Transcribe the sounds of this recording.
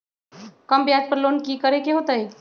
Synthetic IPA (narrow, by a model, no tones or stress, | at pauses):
kəmbjad͡ʒpəɾlonkikəɾekeɦot̪əi